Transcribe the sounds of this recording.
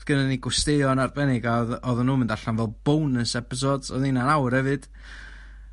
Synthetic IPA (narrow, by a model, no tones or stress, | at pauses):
ɡ̥ənaniɡʊsteɨɔnarbɛnɪɡaðɔðənːuːməndaɬanvɛlˠb̥ownəsɛpɪs̬ɔdsɔðninanawrhɛvɨd̥